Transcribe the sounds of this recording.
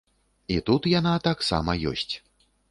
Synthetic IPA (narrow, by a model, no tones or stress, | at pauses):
it̪ut̪janat̪aksa̰mɐjɔ̰sʲt͡sʲ